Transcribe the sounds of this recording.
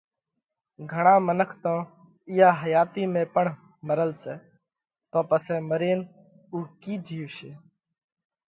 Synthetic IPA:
ɡʱəɳãːmənəkʰt̪õː | ɪjaːɦəjaːt̪iːmẽːpəɳ | məɾəlseː | t̪õːpəseːməɾeːn | uːkiːd͡ʒʱiːʋʃeː

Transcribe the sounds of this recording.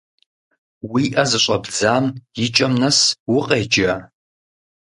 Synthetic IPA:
wiːʔɐzɨɕʷʼɐbd͡zaːmjɪt͡ʃʼɐmnɐswʊqʼeːd͡ʒa

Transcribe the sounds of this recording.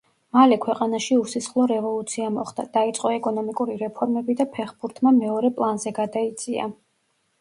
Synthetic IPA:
malɛkʰwɛqʼanaʃiusisχlˠɔɾɛvɔlˠut̪sʰiamɔχd̪̥a̰d̪̥ait̪sʼqʼɔɛkʼɔnɔmikʼuɾiɾɛpʰɔɾmɛbid̪apʰɛχbuɾt̪ʰmamɛɔɾɛpʼlˠanzɛɡad̪ait̪sʼia̰

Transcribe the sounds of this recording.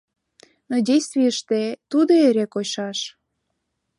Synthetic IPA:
nodʲejst̪vijəʃt̪et̪ud̪oeɾekoɕɑʃ

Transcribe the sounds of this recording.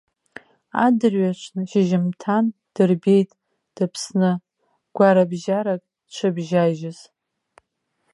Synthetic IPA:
a̰dɨrɥat͡ʃʷʰnɨʃɪʒɪmtʰan | d̥ɨrbe̞jtʼ | d̥ɨpʰsnɨ | ɡ̥ʷaɾabʒaɾakʼ | t͡ʃʷʰɨbʒaʒɪz̥

